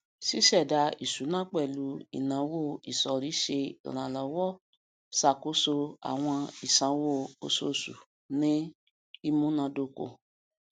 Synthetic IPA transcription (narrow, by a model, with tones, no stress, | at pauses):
si˦ʃɛ˦˨da˧i˨su˨˦nã˦k͡pɛ˦˨lu˨˦ḭ˨nã˨˦wo˦˨i˨sɔ˨ɾi˨˦ʃe˧ḭ˨ɾ̃ã˨lɔ˨˦wɔ˦˨ | sa˦˨ko˨˦so˧a̰˨w̃ɔ̃˧i˨sã˨˦wo˦˨o̰˧˨so̰˦˨sṵ˨ | nĩ˦ | i˦mũ˦nã˧do˧˨ko̰˨